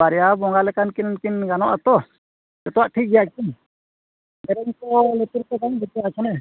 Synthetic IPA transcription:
aɾɛjabɔŋɡalɛkankinnkinɡanɔʔat̪ɔ | d͡ʒɛt̪ɔwaʔʈʰik̚ɡɛjakin | bɛɾɛŋkɔlɛt̪uɾkɔd̪aŋbɛt̪ɔat͡ʃʰɔnɛ

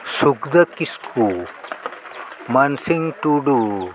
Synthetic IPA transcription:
sukd̪ɐkisku | mɐnsiŋʈuɖu

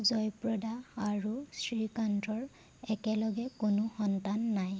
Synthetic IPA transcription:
zɔjpɹɔdaːɹusɹikantɔɹ | ɛkɛlɔɡɛkʊnʊxɔntanːaj

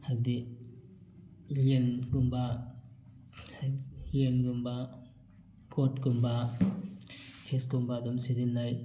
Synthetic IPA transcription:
haɾdi | jenɡumba | henɡumba | kʰotkumba | kʰeskumbadɔmsizinːaj

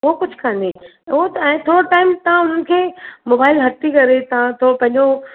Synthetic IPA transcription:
ɦokʊd͡ʑʱkʰãːnd̪i | ot̪ɛ̃ːt̪ʰoːɾoʈaːɪmt̪ɐʋ̤ãʊn̤ənɪ̆kʰeːmoːbaːɪlɦɐt̪ikɐɾet̪ɐʋãt̪ʰoːɾopɐ̃ɦɪ̃ɲd͡ʑo

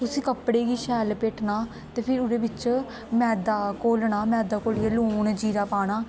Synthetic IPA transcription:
t̪ʊsĩːkəpɽeːɡiːʃɛːlpeːʈnaː | t̪eːpʰɪɾʊɾeːbɪt͡ʃ | mɛːd̪aːkoːlɳaːmɛːd̪aːkoːljeluːɳd͡ʒiːɾaːpaːɽ̃aː

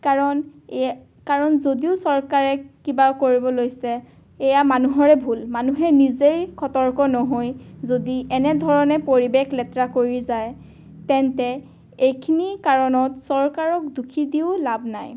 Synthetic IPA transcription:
kaɹɔn | kaɹɔnzodiʊsɔɹkaɹɛkibakoɹibɔlojsɛː | jamanuɦɔɹɛbʱulmanuɦɛnizejkʰɔtɔɹkɔnɔɦojzodiʔɛnɛdʱɔɹɔnɛpoɹibekʰlɛtɹakoɹizaj | tɛntɛ | ejkʰinikaɹɔnɔtsɔɹkaɹɔk̚dukʰidiʊlabʱnaj

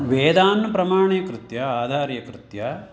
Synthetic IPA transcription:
ʋeːd̪aːnːɐpɾɐmaːɳijɐkɾɪt̪jɐaːd̪ʱaːɾjɐkɾɪt̪jɐ

